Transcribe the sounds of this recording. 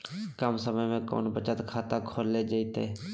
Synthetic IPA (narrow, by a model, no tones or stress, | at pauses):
kəmsəməjmẽkɔ̰ːnbət͡ʃət̪kʰaːt̪akʰoːlːed͡ʒəit̪e